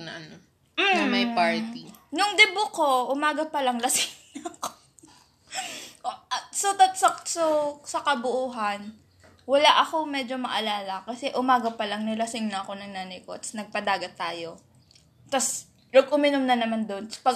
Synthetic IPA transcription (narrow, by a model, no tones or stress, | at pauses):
nɐʔɐno | m̩mɐjpaɹt̪inʊŋd̪ɛbʊko̞ʔʊmaːɡɐpɐlɐŋlɐsɪŋnɐɐko̥ | ɐsot̪ɐt̪sɐsosɐkɐbʊʔuːɦɐn | wɐlaʔɐko̞mɛːd͡ʒo̞mɐʔɐlaːlɐkɐsɛʔʊmaːɡɐpɐlɐŋnɐlɐsɪŋnɐɐko̞nɐŋnaːnɐjkoʔɐt̪snɐɡ̚pɐd̪aːɡɐt̪ːaːjo̞ | t̪ɐs | nɐɡ̚ʔʊmɪnomnɐnɐmand̪o̞nspɐɡ